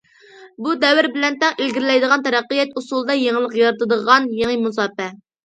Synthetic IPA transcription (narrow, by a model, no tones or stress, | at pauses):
bud̪ɛwɪɾbɪlɛnt̪ɛŋelɡʲiɾɪlɛjd̪əʁɑnt̪ʰɛɾæqːijɛt̪usulˠd̪ɑjeŋəlˠəqjɑɾɨt̪ɨd̪əʁɑnjeŋimus̬ɑːpɛ